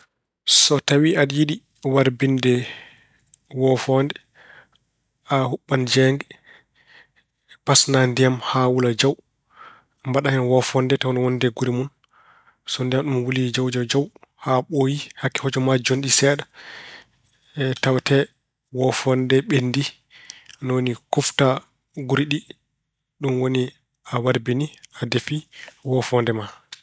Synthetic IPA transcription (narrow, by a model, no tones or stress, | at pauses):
sɔtawiʔaɗjiɗi | waɾbindɛ | wɔfɔndɛ | ahuɓːand͡ʒɛŋɡɛ | pasnandijamhawulad͡ʒaw | mbaɗahɛnwɔfɔndɛtɛɔnwɔndɛɡuɾimun | sɔndijamɗumwulid͡ʒawd͡ʒɔd͡ʒawhaɓojihakːi̥hɔd͡ʒɔmad͡ʒonɗisɛːɗa | ɛtawtɛ | wɔfɔndɛɓendi | nɔwonikufta | ɡuɾiɗi | ɗumwoni | awaɾbiniadefiwɔfɔndɛma